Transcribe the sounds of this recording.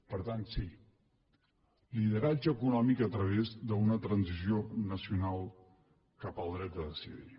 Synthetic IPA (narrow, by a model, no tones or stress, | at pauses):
pəɾt̪ant̪si | lið̞əɾad͡ʒəkunɔmikət̪ɾəβ̞ezðəunət̪ɾənzizionəsiunalˠ | kapəlˠd̪ɾɛt̪̚d̪əðəsḭðḭ